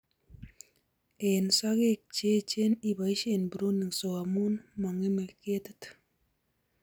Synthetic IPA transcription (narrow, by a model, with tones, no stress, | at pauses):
e˨nsa˦ɡe˦k̚t͡ʃe˦t͡ʃe˦ni˦ba˨jʃe˦nbu˨ɾo˦nːi˨ŋso˨ɡa˨mu˦nma˨ŋi˦mə˨lke˦t̪ɨt̪